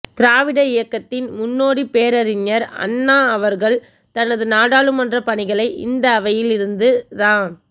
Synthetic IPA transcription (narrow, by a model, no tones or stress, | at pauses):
t̪ɪɾaːʋɪɽɐɪjɐkːɐt̪ːɪnmʊnːoːɽipeːɾɐɾɪɲːɐɾɐ̰nːaːɐʋɐɾɣɐɭ | t̪ɐnɐðɯnaːɽaːɭɯmɐndrɐpɐɳɪɣɐɭɐɪʔɪ̰nd̪ɐːʋɐjɪlɪɾɯnd̪ɯðaːn